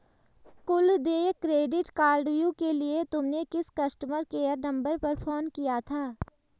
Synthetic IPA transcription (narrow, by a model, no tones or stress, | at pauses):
kʊld̪eːkɾeːɖɪʈkaːɾɖjũkeliet̪ʊmnekɪskɐsʈəməɾkeːjəɾnɐ̃mbəɾpɐɾpʰoːnkijat̪ʰaː